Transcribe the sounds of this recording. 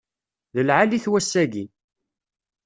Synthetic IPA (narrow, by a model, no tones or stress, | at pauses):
ðəlʕaliçwæsːæɡi